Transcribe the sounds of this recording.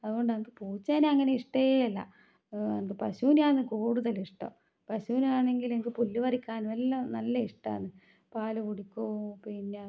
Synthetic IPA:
ɐðuɣo̞ɳɖɨnɐmukːɨpoːt͡ɕːaneɐŋːɐneiʂʈeeɐlːɐ̰ | nɐmukːɨpɐɕuːnaːnːɨkoːɽuðɐliʂʈo̰ː | pɐɕuːnaːɳe̞ŋɡilemikːɨpulːuʋɐrikʲːaːnʋelːɐnɐlːɐiʂʈa̰ːnːɨ | paːlukuɽikʲːoːpinːa

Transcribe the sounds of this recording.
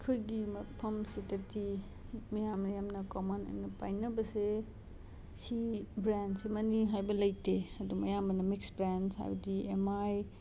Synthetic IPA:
kʰojɡimɐpʰɐmsiteɾti | mijamnɐjamnɐkomɐno̰jnɐpa̰jnɐbɐse | sibɾandsimɐniɦajbɐlɐjteɐdumɐjambɐnɐmiksbɾensha̰jbɐdiḛmaj

